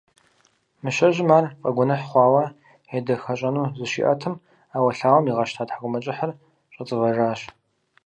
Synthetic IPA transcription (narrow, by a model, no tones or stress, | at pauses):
mɨɕɐʑɪmaːrqʼɐɡʷʊnɐħχʷɑːwɐ | edɐxɐɕʼɐnuːzɨʃḭʔɐ̰tʰɨm | aːwɐɬaːwɐmiʁɐʃtʰaːtħakʷʊmɐt͡ʃʼɪħər | ɕʷʼɐt͡sʼɨvɐʒaːɕ